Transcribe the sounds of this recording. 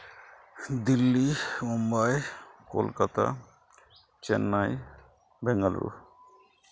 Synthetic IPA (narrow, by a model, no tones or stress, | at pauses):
d̪ilːimumbajkolkat̪a̰ | t͡ɕɛnːaj | bɛŋɡalɾṵ